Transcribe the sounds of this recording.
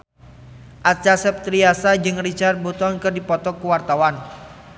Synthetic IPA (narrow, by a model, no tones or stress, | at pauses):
ʔat͡ʃasɛp̚t̪ɾiasad͡ʒɨŋrit͡ʃart̪̚bot̪ɔnkɨrdipɔt̪ɔkuwart̪awan